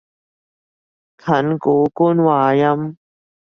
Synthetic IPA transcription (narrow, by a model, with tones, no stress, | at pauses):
kʰɐ˨˦nkuː˨˦ku˦˥nwaː˨˧˩jɐ˥m